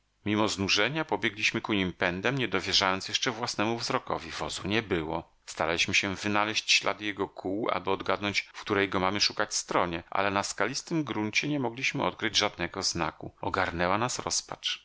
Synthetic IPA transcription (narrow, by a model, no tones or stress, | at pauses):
mʲimɔznuʐɛɲapɔbʲjɛɡlʲiɕmɘkuɲimpɛnd̪ɛmɲɛd̪ɔvʲjɛʐajɔnt̪sjɛʂt͡ʂɛvwasnɛmuvzɾɔkɔ̰vʲivɔzuɲɛbɘwɔ | st̪aɾalʲiɕmɘɕɛvɘnalɛɕt͡ɕɕlʔa̰d̪jɛɡɔkʰuwa̰bɨɔd̪ɡad̪nɔɲt͡ɕfkt̪uɾɛjɡɔmamɘʂukat͡ɕst̪ɾɔɲɛʔa̰lɛnaskalʲist̪ɘmɡɾuɲt͡ɕɛɲɛmɔɡlʲiɕmɘʔɔ̰t̪̚kɾɘd͡ʑʐad̪̚nɛɡɔzna̰kuɔɡaɾnɛwanasɾɔspa̰t͡ʂ